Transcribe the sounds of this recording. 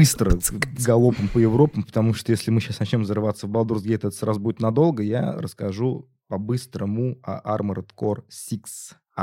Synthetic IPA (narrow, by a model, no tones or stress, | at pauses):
ɨst̪ɾəɡɐlˠopəmpəjɪvɾo̞pəmpə̥t̪ɐmuʂt̪ojesʲlʲɪmɨɕːasnɐt͡ɕnʲo̞mzəɾɨvat̪səvbəlˠd̪urzɡʲeɛt̪əɛt̪əsɾazʊbudʲɪt̪nɐd̪o̞lˠɡəja̰ɾə̰skɐʐu | pɐbɨst̪ɾəmʊɐ̰ʔarməɾt̪korsʲiks